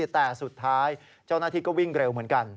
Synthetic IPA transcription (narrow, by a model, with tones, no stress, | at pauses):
t̪ːɛː˨˩su˨˩t̪ʰːaː˦˥j | t͡ɕa˥˩naː˥˩t̪ʰiː˥˩kɔː˥˩wi˥˩ŋɾe˧wmɯ˩˦ənka˧n